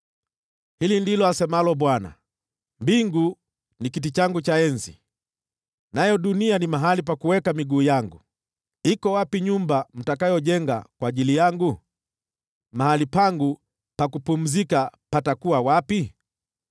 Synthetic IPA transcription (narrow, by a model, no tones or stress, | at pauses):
hilindilɔasɛmalɔɓwana̰ | mbiŋɡu | nikit̬it͡ʃaŋɡut͡ʃaɛnzi | najɔɗunianimaɦalip̬akuwɛkamiɡuːjaŋɡu | ikɔwapiɲumbam̩takajɔʄɛŋɡa̰kwaːʄilijaŋɡu | mahalipaŋɡu | pakupum̩zikapatakuwawapi